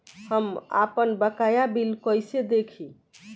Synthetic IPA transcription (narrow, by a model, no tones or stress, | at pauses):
həma̰pənbəkajabilkəjsed̪ekʰĩ